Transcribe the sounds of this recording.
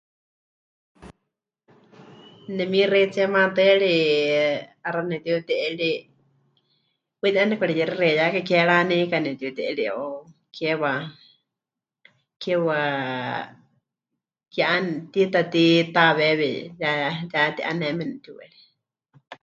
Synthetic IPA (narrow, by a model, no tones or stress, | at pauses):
nɛmiret͡sɛmãt̪ɨɺi | aɾanɛt̪iut̪ɛʔɛɺi | wit̪iʔanɛkʷaɺijɛɾirɛjakakɛɺanɛkanɛt̪iut̪ɛʔɛɺiokʰɛwa | kɛwa | kɛʔant̪it̪at̪it̪aβɛβɛjajat̪iʔa̰nɛmɛnɛt̪iwɛ̰ɺi